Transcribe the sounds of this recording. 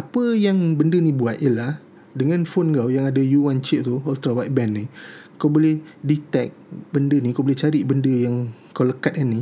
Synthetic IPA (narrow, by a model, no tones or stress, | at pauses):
apəjaŋbəndənĩbuat̪̚jəlah | dəŋãnfonŋɡawjaŋadajuwant͡ʃiʔ̚t̪uɔlt̪ɾawat̪̚bɛnːikawbolɛhdit̪ɛk̚bəndənĩkawbolɛt͡ʃaɾiʔbəndəjaŋkawləkat̪̚anːi